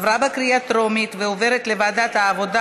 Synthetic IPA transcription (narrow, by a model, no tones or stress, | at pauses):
vɾabekɾiat̪ɾo̞mit̪veoveɾet̪levad̪at̪aːvo̞d̪a